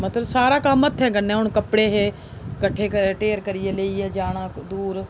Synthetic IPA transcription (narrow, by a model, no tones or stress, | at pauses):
mət̪ləbsaːɾaːkəmət̪ʰːɛ̃ːɡənːɛ̃ːʊɳkəpɽeːɦeː | kəʈʰeːkəʈeːɾkəɾɪeːleːiːɛːd͡ʒaːɽ̃ãːd̪uːɾ